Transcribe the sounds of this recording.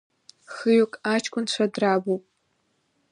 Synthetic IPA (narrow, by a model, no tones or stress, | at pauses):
xɨjokʼat͡ʃʰkʷʰʼʊnt͡ɕʷʰadraːbowpʼ